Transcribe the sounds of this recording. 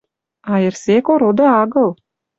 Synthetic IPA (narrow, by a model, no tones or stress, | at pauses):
ɑeɾsekoɾod̪ɤɑɡɤlˠ